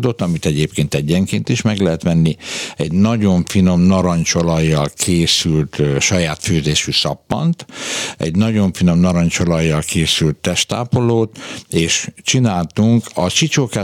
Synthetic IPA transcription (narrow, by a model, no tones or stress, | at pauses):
d̪o̞t̪ɒmit̪ɛɟeːpkeːnt̪ɛɟːɛŋkeːnt̪iʃmɛɡlɛɦɛt̪mɛnːiɛɟnɒɟo̞ɱfino̞mnɒɾɒɲt͡ʃo̞lɒjːɒlkʰeːsylt̪ʃɒjaːt̪føːzeːʃysɒpːɒ̰nt̪ɛ̰ɟnɒɟo̞ɱfino̞mnɒɾɒɲt͡ʃo̞lɒjːɒlkʰeːsylt̪ːɛʃt̪a̰ːpoloːt̪eːʃt͡ʃinaːlt̪uŋkɒt͡ʃit͡ʃoːka